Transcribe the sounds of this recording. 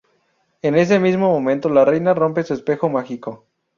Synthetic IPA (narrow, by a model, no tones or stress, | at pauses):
e̞ne̞s̬emizmo̞mõ̞mẽ̞nt̪o̞lare̞jnaro̞mpe̞suespe̞xo̞maxiko̞